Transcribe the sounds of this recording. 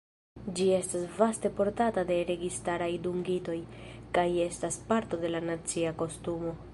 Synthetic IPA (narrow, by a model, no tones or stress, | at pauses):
d͡ʒie̞stasvaste̞po̞ɾtatade̞ɾe̞ɡistaɾajduŋɡito̞jkaje̞staspaɾto̞de̞lanat͡siako̞stumo̞